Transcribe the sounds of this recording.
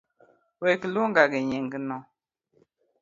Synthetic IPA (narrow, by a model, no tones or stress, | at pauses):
wekiluŋɡaɡiɲiŋɡinɔ